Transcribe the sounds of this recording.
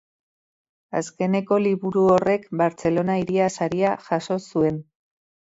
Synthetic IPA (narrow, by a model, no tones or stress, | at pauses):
aske̞ne̞ko̞liβuɾuore̞kbaɾt͡se̞lo̞naiɾiasaɾiaʝaso̞sue̞n